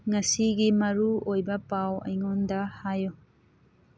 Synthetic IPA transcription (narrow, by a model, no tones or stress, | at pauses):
ŋɐsiɡimɐɾuojbɐpawɐ̰jŋondɐhajo